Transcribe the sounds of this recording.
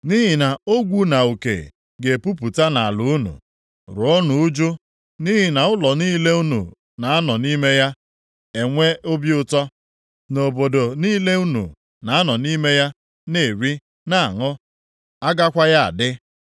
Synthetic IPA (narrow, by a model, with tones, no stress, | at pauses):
ni˦ɦi˨na˨o˦ɡʷu˦na˨u˨kḛ˨ | ɡe˨pu˦p̬u˨ta˦na˨a˨lʊ˨u˦nṵ˨ | ɾʊ˨o˦nʊ˨ʊ˦d͡ʒu˦ | ni˦ɦi˨na˨ʊ˦lɔ˨niː˦le˦u˦nṵ˨ | na˨a˦nɔ˨ni˦me˦ja˦ | e˨ŋʷe˦ʊ˦bi˦ʊ˦tɔ˦ | no˨bo˨do˨niː˦le˦u˦nṵ˨ | na˨a˦nɔ˨ni˦me˦ja˦ | ne˨ɾi˦ | na˦˨a˨ŋʊ˦ | a˦ɡa˦kʷa˦ja˦a̰˨dɪ˦